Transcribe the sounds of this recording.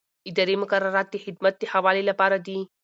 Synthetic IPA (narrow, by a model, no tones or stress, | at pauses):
ɪd̪ɐɾemʊkɐrːɐɾaːt̪̚d̪iħɪd̪mɐt̪̚d̪ihɐʋaːlelɐpaːɾad̪i